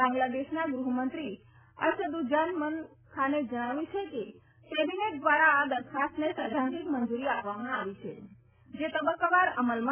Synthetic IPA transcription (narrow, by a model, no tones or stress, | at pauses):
ãŋɡlad̪eʃnaɡɾuɦmənt̪ɾi | ə̰ɾʃəd̪ud͡ʒənmən | kʰaned͡ʒəɽ̃aʋũt͡ʃʰeke | kɛbineʈ̚d̪ʋaɾaːd̪əɾt̪kʰast̪nesəd͡ʒ̪ʱãnd͡ʒik̪mənd͡ʒuɾiapʋamãaʋit͡ʃʰḛ | d͡ʒet̪əbəkːabaɾəməlmã